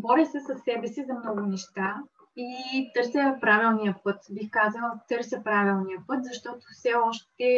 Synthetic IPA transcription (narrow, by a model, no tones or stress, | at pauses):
bɔɾəsɛsɐsːɛbɛsizɐmnɔɡʊnɛʃt̪a | it̪ɤɾsʲəpɾavilˠnijəpɤt̪bixkazəlˠət̪ɤɾsʲəpɾavilˠnijəpɤt̪zɐʃt̪ɔt̪ofsɛɔʃt̪ɛ